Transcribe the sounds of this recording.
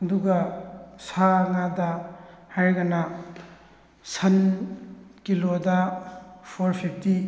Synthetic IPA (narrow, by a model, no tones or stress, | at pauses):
ɐduɡɐsaŋadɐhaɾɡɐna | sɐn | kilodɐpʰoɾpʰip̚ʰti